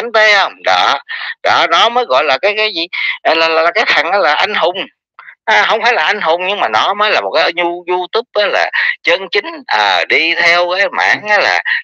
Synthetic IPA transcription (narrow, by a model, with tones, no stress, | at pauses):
a˨˦ŋt̪e˨˦ə˧ŋ͡mɗɔ̰ː˧˨˩ɗɔː˧˩nɔ˨˦məː˨˦jɣɔ̰˧˨jlaː˨˩kaː˨˦jkaː˨˦jzi˨˩ʔːlaː˨˩laː˨˩˨kaː˨˦jt̪ʰə˨˩ŋʔaː˨˧˦laː˨˩ʔa˧jŋ̟hʊ˨˩ŋ͡m | ʔa˨˧˩hə˧wŋ͡mfaː˧˦jlaː˨˩ʔa˧jŋ̟ɦʊ˨˩wŋ͡mɲɨ˧ŋmaː˨˩nɔ˨˦məː˨˦jlaː˨˩mo˨˩t̚kaː˨˦˨jzu˧zu˧t̪ʊ˦˥p̚ʔəː˨˦la̰ː˨˩t͡ɕə˧nt͡ɕï˨˦ŋ̟ʔəː˨˩ɗi˧t̪ʰɛ˧wkaː˨˦jma̰ː˧˩ŋʔaː˨˦la̰ː˨˩